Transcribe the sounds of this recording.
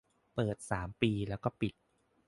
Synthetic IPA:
pɤː˨˩t̪̚saː˩˦mpiː˧lɛ˦˥wkɔː˥˩pi˨˩t̪̚

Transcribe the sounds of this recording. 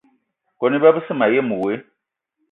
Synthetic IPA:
kɔ˨nĩ˦ba˦bɨ˦sɨ˦ma˨je˦mũ˨we˨˦

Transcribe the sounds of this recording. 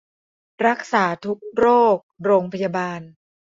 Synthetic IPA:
ɾa˦˥k̚saː˩˦t̪ʰu˦˥k̚ɾoː˥˩k̚ɾoː˧ŋpʰa˧ja˧baː˧n

